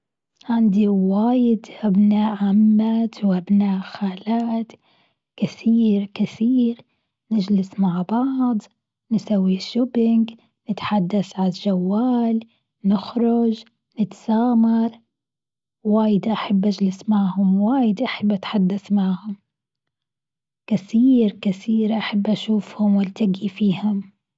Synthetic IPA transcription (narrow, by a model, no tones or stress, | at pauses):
ʕɪnd̪iwaːjɪd̪ʔabnaːʔʕamːat̪wʔabnaːʔxaːlaːt̪ | kɪθiːɾkɪθiːɾ | nɪd͡ʒlɪsmaʕbɑʕd̪ˤ | nɪsawːiʃːʊbɪŋɡ | nɪt̪ħad̪ːaθʕalʒawːaːl | nɪxɾˤʊd͡ʒ | nɪt̪sɑːmɑɾˤ | waːjɪd̪ʔaħabːʔad͡ʒlɪsmaʕhʊmwaːjɪd̪ʔaħabːʔat̪ħad̪ːaθmaʕhʊm | kɪθiːɾkɪθiːɾʔaħabːʔaʃuːfhʊmwɪlt̪aɡifiːhʊm